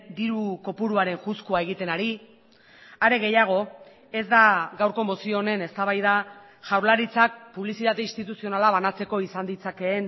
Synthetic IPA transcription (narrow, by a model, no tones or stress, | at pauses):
d̪iɾuko̞puɾuaɾe̞ŋʝuskuae̞ɣit̪e̞naɾi | aɾe̞ɣe̞jaɣ̞o̞ | e̞zd̪aɡawɾko̞mo̞sio̞ne̞ne̞st̪aβajða | ʝawɾlaɾit͡sak̚puβlisit̪at̪e̞inst̪it̪usio̞nalaβanat͡se̞ko̞isand̪it͡sake̞ːn